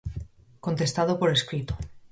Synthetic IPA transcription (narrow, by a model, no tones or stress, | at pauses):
kont̪est̪að̞opoɾeskɾit̪o̥